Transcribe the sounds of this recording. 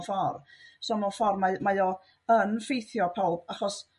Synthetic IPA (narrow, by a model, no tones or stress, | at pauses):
fɔrsonɔfɔrmamajɔ | ənfejθjɔpʰɔlˠb̥aχɔs